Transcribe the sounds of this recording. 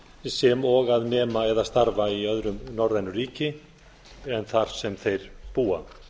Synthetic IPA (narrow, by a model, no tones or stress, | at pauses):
sɛmɔɣaðnɛːmaɛðast̪aɾvaiœðɾʏmnɔwɾðɛnːʏriːcɪ | ɛnθaɾ̥sɛmθejɾ̥puːa